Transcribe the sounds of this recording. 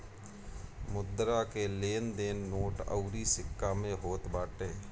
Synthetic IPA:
mʊd̪ɾakeleːnd̪eːnːoːʈə̰ʊɾisɪkːamẽɦoːt̪baːʈeː

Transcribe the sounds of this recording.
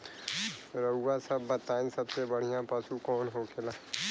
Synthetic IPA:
ɾəɦuwasɐbːət̪aːĩsɐbsebəɽ̤ijãpasukɔːnɦoːkʰelaː

